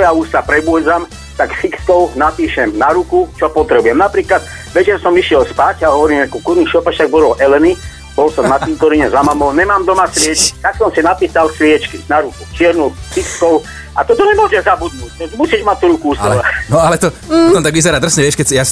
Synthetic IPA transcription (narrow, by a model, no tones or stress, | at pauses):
ɔjauːst̪apɾɛbuɛd͡zam | t̪aksikskɔʊnapiːʃɛmnaɾukut͡ʃɔpɔt̪ɾɛbujɛmnapɾiːklad̪̚ | ʋɛt͡ʃɛɾsɔmiʃɪɛlspacaɦɔʋɔɾiːmɛkukuɾniʃɔpaʃt̪aɡ̚bɔlɔʔɛlɛni | bɔlsɔmnat̪imt̪ɔɾiɲɛzamamɔɲɛmaːmd̪ɔmasʋɪɛt͡ʃki̥t̪aksɔmsinapiːsalsʋɪɛt͡ʃkinaɾukut͡ʃɪɛɾnusikskɔʊ | a̰t̪ɔt̪ɔɲɛmʊɔʒɛzabud̪̚nuːc̚ɔmusiːd͡ʒmat̚t̪uɾukuust̪ɔlanɔalɛt̪ɔɔtɔmt̪aɡʋizɛɾaːd̪r̩sɲɛʋjɛʃkɛsjas